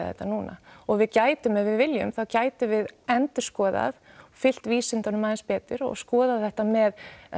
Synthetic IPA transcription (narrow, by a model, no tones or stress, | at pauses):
θɛ̰t̪ːanuːna̰ɔɣvɪðcaːjt̪ʏmɛðvɪðvɪljʏ̰mθaðcaːjt̪ʏvɪðɛnt̪ʏ̥skɔːða̰ð | fɪl̥t̪viːsɪnt̪anʏmaðɪnspɛːt̪ʏɾɔ̰ɣskɔːðaðθɛht̪amɛð